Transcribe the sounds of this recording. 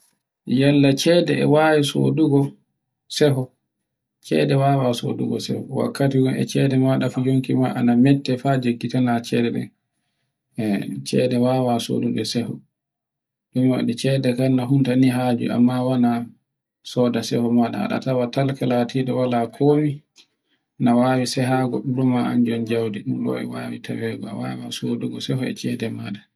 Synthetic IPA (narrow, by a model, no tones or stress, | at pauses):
jalːat͡ʃɛdɛɛ̰wajiso̰duɡɔ | sɛɦɔ | t͡ʃɛ̰dɛwaːwaso̰dṵɡɔ̰sɛ̰hɔ̰wa̰kːatiɡɔɛ̰t͡ʃɛdɛmaɗafud͡ʒoŋkimaʔa̰namɛtːɛfad͡ʒeɡːitanat͡ʃɛdɛɗɛ̰ | t͡ʃɛdɛwawaso̰duɗɛsɛhɔ | ɗuma̰ɗɛt͡ʃɛdɛkanːaɦuntaniɦad͡ʒṵʔa̰mːawana | sɔdasɛhɔmaɗa̰a̰ɗa̰tawatalkɛlatʰiɗɛwalakʰoːmi | nawawisɛɦaɡɔɗuɾumaa̰nd͡ʒɔnd͡ʒawdiɗumɗɔ̰ɛ̰wa̰witʰawɛɡɔa̰wa̰wasoduɡɔsɛhɔɛ̰t͡ʃɛdɛmaɗa